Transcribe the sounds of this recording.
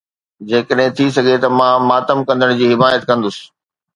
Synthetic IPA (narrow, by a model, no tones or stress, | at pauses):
d͡ʑeːkəɗɦɪ̃t̪ʰisɐɡʱet̪ɐmãːmaːt̪əmkɐ̃nd̪əɽ̃d͡ʑiːɦɪmaːjət̪kɐ̃nd̪ʊsɪ̥̆